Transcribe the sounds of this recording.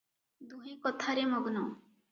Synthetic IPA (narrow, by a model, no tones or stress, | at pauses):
d̪ʱuɦekɔt̪ʰaɾemɔɡnɔː